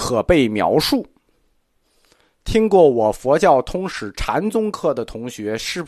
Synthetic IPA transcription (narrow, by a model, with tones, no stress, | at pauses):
kʰɤ˨˩pe˥˩ɪmjɑ̰˧˥ʊʂu˥˩ | t̪ʰi˥ŋkwɔ˥˩wɔ˨˩fwɔ˧˥t͡ɕjɑ˥˩ʊt̪ʰʊ˧˥ŋʂɻ̩˧˥ʈ͡ʂʰa˧˥nt͡sʊ˥ŋkʰɤ˥˩d̪ə˩t̪ʰʊ˧˥ŋɕɥɛ˧˥ʂɻ̩˥˩